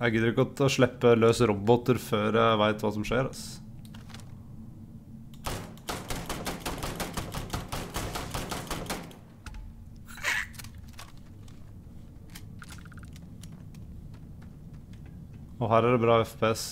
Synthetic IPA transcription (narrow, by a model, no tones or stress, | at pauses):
jæɪɡɪːd̪əɾɪkːəɡɔt̪ɔʂɭɛpːəløːsəɾɔbɔt̪əɾføːɾjæɪʋæɪt̪ʰʋɑːsɔmʂeːɾɑs | ɔɦæːɾæɖɛbɾɑːɛfpʰeːɛs